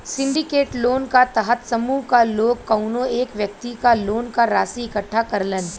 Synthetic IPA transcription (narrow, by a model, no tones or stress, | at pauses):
sɪ̃ɳɖɪkeːʈloːnkat̪ɐɦət̪sɐmuːɦkaloːɡ̚kɐʊnõeːkʋjək̚t̪ikaloːnkaɾaːsiɪkəʈʰːakɐɾlən